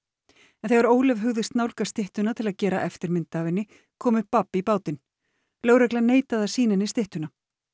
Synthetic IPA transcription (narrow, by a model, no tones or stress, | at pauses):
ɛnθeɣvaɾoːwlɛvɦʏɣðɪst̪nawlkast̪ɪht̪ʏnat̪ʰɪlaðcɛːɾaʔɛft̪ɪɾmɪnt̪aːvɪnːɪ | kʰɔːmʏpapːipaːwt̪ɪn | lœːwɾɛklaneːjt̪aðasiːnɪnɪst̪ɪht̪ʏna